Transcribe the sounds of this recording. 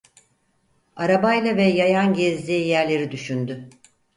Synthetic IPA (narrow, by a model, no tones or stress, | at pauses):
aɾabajlˠavɛjajanɟɛzlʲijæɾlʲe̞ɾid̪yʃynd̪y